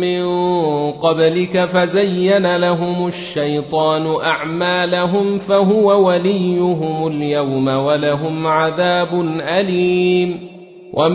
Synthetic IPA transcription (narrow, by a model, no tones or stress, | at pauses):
mɪnqɑblɪkafazajːanalaɦʊmʊʃːajt̪ˤɑːnʊʔaʕmaːlaɦʊmfaɦʊwawalɪjːʊɦʊmʊljawmawalaɦʊmʕaðaːbʊnʔaliːm | wʔam